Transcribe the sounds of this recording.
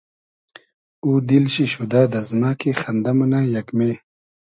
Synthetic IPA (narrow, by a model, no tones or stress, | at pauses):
uːd̪ilɕiɕud̪aːd̪ɐzmaːkixɐnd̪ɐmɐnaːjɐkme